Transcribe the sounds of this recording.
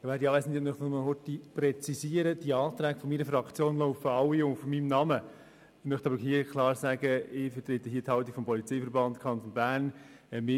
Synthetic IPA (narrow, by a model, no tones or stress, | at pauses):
ɪʋæːɾdiɑːʋɛsn̩d̪ɛmœχtmɑhotipɾɛt͡sisiəɾəd̥iɑːt̪ɾæːɡ̥fɔmiɾəfrɑkt͡sjoːnloʊfəɑwːiʊfɔmimnɑmə | mœχt̪ɑbəɾhiːəkʰlˠɑːɾsæːɡ̥əɪfət̪ɾet̪əɦiːəthɑwt̪ːikfɔmpɔlit͡sejfəɾbɑnt̪kʰɑnt̪onbæːɾnɛmɪ